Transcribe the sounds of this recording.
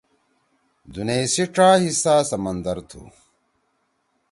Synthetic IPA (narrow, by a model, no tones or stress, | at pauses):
d̪uneːsiʈ͡ʂaːhisaːsɐmɐnd̪ɐɾt̪ʰṵ